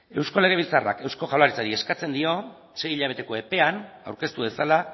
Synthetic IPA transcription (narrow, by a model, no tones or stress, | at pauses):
e̞wsko̞le̞ɣ̞e̞β̞ilt͡sara̰ke̞wsko̞ʝawlaɾit͡saɾie̞skat͡se̞nd̪io̞ | se̞jiʎaβ̞e̞t̪e̞ko̞e̞pe̞ana̰wɾke̞st̪uβe̞sala